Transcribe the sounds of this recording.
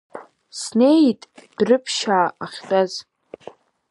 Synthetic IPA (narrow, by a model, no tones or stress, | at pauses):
snejtʼd̥rɨpʰʃaːaχʲtʼaz